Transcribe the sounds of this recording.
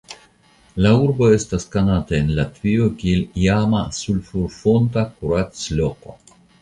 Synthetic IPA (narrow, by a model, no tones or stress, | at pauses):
lauɾbo̞e̞staskanataenlat̪viokieliamasulfuɾfontakuɾat̪sloko̰